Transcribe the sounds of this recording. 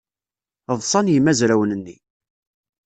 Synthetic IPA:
ðˤsˤɑnjəmːæzɾæwənənːi

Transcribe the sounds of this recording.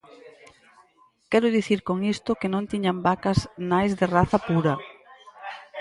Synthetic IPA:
kɛɾʊðiθiɾkoŋist̪ʊkɪnõnt̪iɲambakɐznajzðɪraθɐpuɾɐ

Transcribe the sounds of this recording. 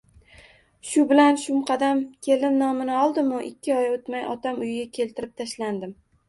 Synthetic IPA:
ʃʊbɪlanʃʊmqʰɑd̪amkʲʰe̞lɪmnɒmɪnɪɒlˠd̪ɪmʊʔɪkʲːɪɒjot̪majɒ̰t̪amʊjɪɡʲakʲʰe̞lt̪ʰɪɾɪp̚t̪ʰaʃland̪ɪm

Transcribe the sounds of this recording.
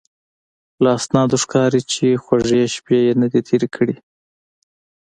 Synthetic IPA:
laasnɑd̪oʂkɑɾit͡ʃexwaʐjeʃpjejenad̪it̪ʰeɾekʰəɽi

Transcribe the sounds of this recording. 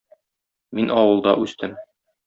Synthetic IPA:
minʔɒwɤ̆lˠd̪ɑ̰ʔʉst̪ɘm

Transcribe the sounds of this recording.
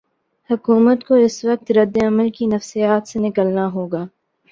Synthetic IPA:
hɐkuːmət̪koɪsʋɐq̚t̪ɾɐd̪ːeɐməlkinɐfsijaːt̪senɪkəlnaɦoːɡaː

